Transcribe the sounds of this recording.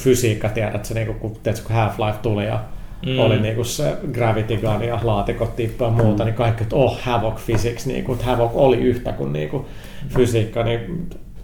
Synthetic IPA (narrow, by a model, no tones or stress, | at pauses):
fysiːkːɑt̪iædæt̪seniːŋkukkut̪iæt̪se̥kuhæflɑiʋt̪ulijɑ̰oliniːkussḛɡræʋit̪iɡɑnijɑlɑːt̪ikot̪t̪ipːøɑmuːt̪ɑnikɑikːnyt̪ohhæʋokfisiksnḭːŋkut̪hæʋokoliyht̪ækunnḭːŋku | fysiːkːɑni